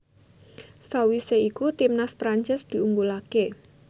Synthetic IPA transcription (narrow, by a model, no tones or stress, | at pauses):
sawiseikut̪imnaspɾaɲt͡ʃɪsd̪̥i̤uŋɡulake